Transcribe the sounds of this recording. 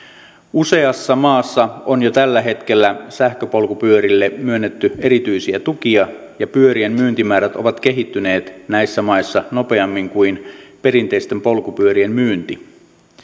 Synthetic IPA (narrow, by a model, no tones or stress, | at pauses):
use̞ɑsːɑmɑːsːɑonjot̪ælːæɦe̞t̪k̟e̞lːæsæhkøpo̞lkupyøɾilːemyønːet̪ːye̞ɾit̪yisiæt̪uk̟iɑ | jɑpyø̞ɾiemmyːnt̪imæːɾæt̪o̞̰ʋɑt̪k̟e̞ɦit̪ːyne̞ːt̪næisːæmɑisːɑno̞pe̞ɑmːiŋkuinpe̞ɾint̪eist̪empo̞lkupyø̞ɾiemmyːnt̪i